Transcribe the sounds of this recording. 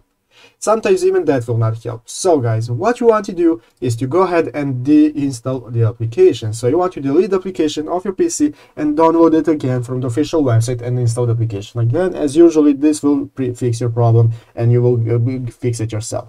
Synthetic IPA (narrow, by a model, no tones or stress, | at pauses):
sʌ̃mtãɪ̃mzivɨ̃nd̪æt̚wɪlˠnət̚hɛ̰lˠp̚soʊɡaɪzwʌt͡ʃɨwɑ̃ntʰɨdu | ɪz̥tɨɡoʊəɦɛdɨ̃ndiɪ̃nstɛlˠðiæplikʰeɪʃɨ̃nsoʊjuwɑ̃ntɨdɪlidæplikʰeɪʃɨ̃nɔvjə˞pisi | ʔɛ̃ndãnloʊdɪtəɡɛ̃nfɹɔ̃md̪iɔfɪʃəlˠwɛbsaɪtɨ̃nɪ̃nstɔlˠdiæplikeɪʃə̃nəɡɛ̃nɨ̰zjuʒəl̩ˠiðɪswɪlˠpɹifɪksjɔ˞pɹ̥ɑblə̃mʔɨ̃njɨwɪlˠfɪksɨtjɔ˞sɛ̰lˠf